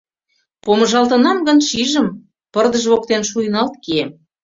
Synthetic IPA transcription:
poməʒɑlt̪ə̆nɑmɡə̆nʃiʒə̆m | pərd̪əʒβok̚t̪enʃujənɑlt̪kiem

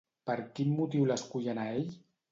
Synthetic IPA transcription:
pəɾkinmːut̪iwləskuʎənaeʎ

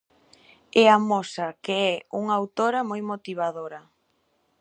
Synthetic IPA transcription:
ɛamosɐkeɛuŋawt̪oɾɐmojmot̪iβ̞aðoɾɐ

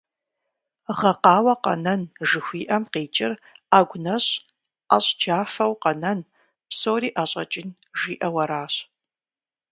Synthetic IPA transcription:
ʁɐqɑːwɐqɐ̰nɐnʒɨxʷiːʔɐmqeːt͡ʃʼɪraːɡʷnɐɕ | aɕʼd͡ʒaːfɐwqɐnɐn | psoːɾiːʔaːɕʼɐt͡ʃʼɪn | ʒiːʔɐwɐɾaːɕ

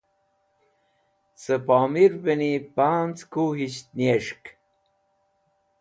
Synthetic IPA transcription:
səpaːmiɾbenipant͡skuɦiɕt̪nieʂk

